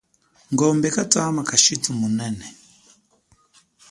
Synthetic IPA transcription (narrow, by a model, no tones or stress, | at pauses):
ŋɡɔmbɛkataːmakaʃitumunɛnɛ